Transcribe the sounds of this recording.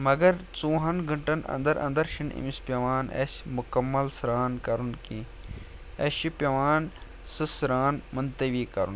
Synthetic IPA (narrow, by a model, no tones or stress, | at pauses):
mɐɡɐɾt͡sũːɦɐnɡʱɐɳʈɐnɐ̰̃nd̪ɐɾʔɐ̰̃nd̪ɐɾʃinḭmispʲjɐʋaːnḛsmʊkɐmːɐlsɾaːnkɐɾunkĩ | eʃipʲɐʋaːn | sɨsɾaːnmɐnt̪ɐʋiːkɐɾun